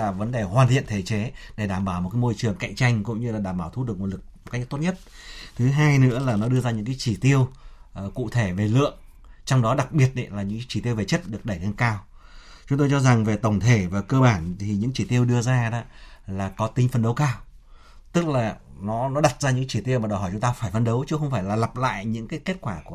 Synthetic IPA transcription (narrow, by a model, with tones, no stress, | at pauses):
aː˨˩və˨˦nɗe˨˩hwaː˨˩nt̪ʰḭ˧˨ənt̪ʰe˧˩t͡ɕe˨˦ɗe˧˩ɗaː˧˩mɓaː˧˩wmo˨˩t̚kaː˨˦jmo˧jt͡ɕɨ˨˩əŋka̰˧˨jŋ̟t͡ɕa˧jŋ̟kʊ̰˧˥ŋ͡mɲɨ˧laː˨˩ɗaː˧˩mɓaː˧˩wt̪ʰu˨˦ɗək̚mo˧˩lɨ˨˩k̚m̚˨˩ka˦˥k̚t̪o˦˥ɲə˦˥t̚ | t̪ʰɨ˨˦ɦaː˧jnɨ̰˧˥əlaː˨˩nɔ˨˦ɗɨ˧əzaː˧ɲɨ̰˧˥ŋkaː˨˦jt͡ɕi˧˩t̪i˧əwkṵ˧˨t̪ʰe˧˩ve˨˩lɨ̰˧˨əŋ | t͡ɕɔ˧wŋ͡mɗɔ˨˦ɗa˨˩k̚ɓi˨˩ət̚ɗḭ˧˦laː˨˩ɲɨ̰˧˥˨t͡ɕi˧˩t̪i˧əwve˨˩t͡ɕə˦˥t̚ɗɨ˨˩ək̚ɗə˧˩jŋə˧nkaː˧w | t͡ɕʊ˨˦ŋ͡mt̪o˧jt͡ɕɔ˧za˨˩ŋve˨˩t̪ə˨˩wŋ͡mt̪ʰe˧˩vaː˨˩kəː˧ɓaː˧˩nt̪ʰi˨˩ɲɨ̰˧˥ŋt͡ɕi˧˩t̪i˧əwɗɨ˧əzaː˧ɗa̰˧˦laː˨˩kɔ˨˦t̪ï˧ŋ̟fə˧nɗə˨˦wkaː˧w | t̪ɨ˦˥k̚laː˨˩nɔ˨˦nɔ˨˦ɗa˨˩t̚zaː˧ɲɨ̰˧˥˧t͡ɕi˧˩t̪i˧ə˧wmaː˨˩ɗɔ˧˩hɔ˧˩jt͡ɕʊ˨˦ŋ͡mt̪aː˧faː˧˩jfə˧nɗə˨˦wt͡ɕɨ˨˦xə˧wŋ͡mfaː˧˩jlaː˨˩la˨˩p̚la̰ː˧˨jɲɨ̰˧˥ŋkaː˨˦jke˦˥t̚kwaː˧˩ku˧˩